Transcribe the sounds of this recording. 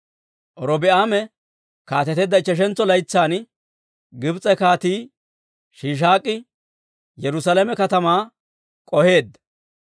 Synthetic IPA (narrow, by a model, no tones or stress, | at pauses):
ʔɔɾɔbɪʔaːmɛ | kaːt̪ɛt̪ɛd̪ːɐɪt͡ʃːɛʃ̬ɛnt͡sːɔlɐjt͡sːaːn | ɡɪbt͡sʼɛkaːt̪iː | ʃiːʃ̬aːkʼːɪ | jɛɾʊsalɛmɛkɐt̪ɐmaː | kʼɔhe̞ːd̪ːɐ̥